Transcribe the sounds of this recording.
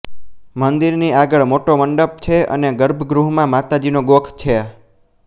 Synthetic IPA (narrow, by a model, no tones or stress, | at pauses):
mənd̪iɾniaɡəɭmoʈoməɳɖəp̚t͡ʃʰeə̰neɡəɾbʱɡɾuɦmãmat̪ad͡ʒinoɡokʰt͡ʃʰea